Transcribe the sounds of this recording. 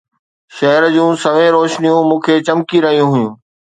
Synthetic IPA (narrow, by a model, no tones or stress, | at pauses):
ʃɐɦɾd͡ʑũːsɐʋẽɾoːʃnijũmũːkʰeːt͡ɕɐmkiɾɐɦijũɦʊjũː